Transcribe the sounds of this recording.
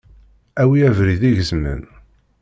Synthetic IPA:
æwiævɾiðiʝəzmə̰n

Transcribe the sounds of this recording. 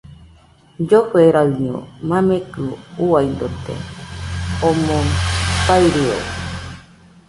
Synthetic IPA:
d͡ʒoɸeɾaɨɲõ̰mãmẽkɨuaind̪ot̪ḛ | omõpaiɾio̰

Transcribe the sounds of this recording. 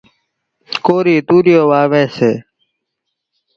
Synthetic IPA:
koːɾiːt̪uːɾɪjoːʋaːʋeːseː

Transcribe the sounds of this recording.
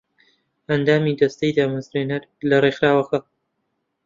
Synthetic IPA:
ʔɐnd̪aːmiːd̪ɐst̪ɐjd̪aːmɐzɾeːnɐɾ | lɐrexɾaːwɐxɐ

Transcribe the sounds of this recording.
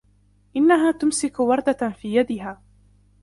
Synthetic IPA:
ʔɪnːaɦaːt̪ʊmsɪkwɑɾˤd̪afiːjad̪ɪɦaː

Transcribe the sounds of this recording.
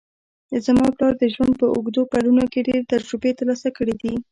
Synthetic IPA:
əzamɑplɑɾd̪əʒwand̪̚pəʊɡd̪okaɽunokeɖeɾet̪aɾd͡ʒɾubet̪aɾlɑsakəɽid̪i

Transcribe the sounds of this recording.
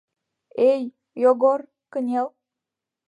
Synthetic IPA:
ej | joɡor | kə̆nʲelˠ

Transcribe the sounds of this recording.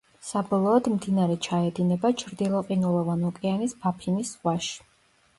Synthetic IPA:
sabɔlˠɔɔd̪md̪inaɾɛt͡ʃʰaɛd̪inɛbat͡ʃʰɾd̪ilˠɔqʼinulˠɔvanukʼɛanisb̥apʰinisχwaʃi̥

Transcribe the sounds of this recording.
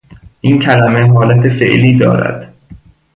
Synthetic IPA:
ʔincʰælæmeɦɒːlæt̪ʰefḛʔliːd̪ɒ̰ːɾæ̰d̪̥

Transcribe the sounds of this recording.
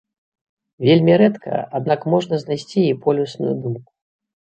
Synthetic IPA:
vʲelʲmʲiɾɛt̪kʰɐ̰ad̪̚nakmɔʐnɐznajsʲt͡sʲiipɔlʲusnṵjud̪umku̥

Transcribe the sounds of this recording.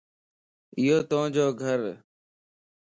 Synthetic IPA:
ɪjoːt̪õːd͡ʒoːɡʱəɾ

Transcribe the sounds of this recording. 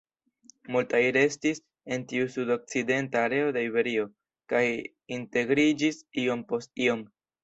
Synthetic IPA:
multajɾe̞stis | e̞ntiusudo̞k̚t͡side̞ntaːɾe̞o̞de̞ibe̞ɾio̞ | kaj | inte̞ɡɾid͡ʒisio̞mpo̞st̚io̞m

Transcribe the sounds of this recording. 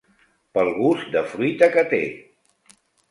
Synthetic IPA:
pəlˠɣ̞uzd̪əfɾuit̪əkət̪ḛ

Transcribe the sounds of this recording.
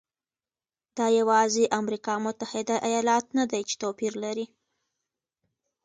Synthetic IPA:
d̪̥ɑjawɑzeʔamɾikɑmʊt̪ahɪd̪aʔajɑlɑt̪nad̪ajt͡ʃe̥t̪opiɾlaɾi

